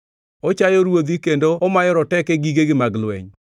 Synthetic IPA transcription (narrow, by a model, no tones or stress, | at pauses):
ot͡ʃajɔɾwod̪ikendoɔmajɔɾɔtɛkɛɡiɡeɡɪmaɡlwɛ̰ɲ